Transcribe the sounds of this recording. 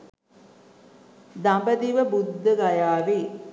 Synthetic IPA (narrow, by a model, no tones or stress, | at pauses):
d̪ambəd̪iʋəbud̪ːəɡajaːʋi